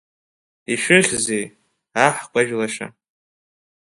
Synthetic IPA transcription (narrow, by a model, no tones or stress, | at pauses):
iʃʷᶣʏχʲzej | aħkʷʼaʒᶣlaʃa̰